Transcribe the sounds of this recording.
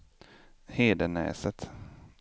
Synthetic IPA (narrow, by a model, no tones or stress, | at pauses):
heːd̪ənɛ̰ːsət̪